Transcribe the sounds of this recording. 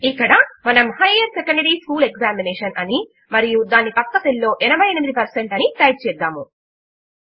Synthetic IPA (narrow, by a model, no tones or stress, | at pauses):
ikːɐɽɐmɐnɐmhɐjɐɾsekɐɳɖɐɾiːskuːlekzaːmineːʂɐnʔɐni | mɐɾijud̪aːnipɐkːɐt̪elːo̞ːʔɛnɐbɐjnemid̪ipɐɾseɳʈɐniʈɐjʈ̚t͡ʃɛːd̪ːaːmu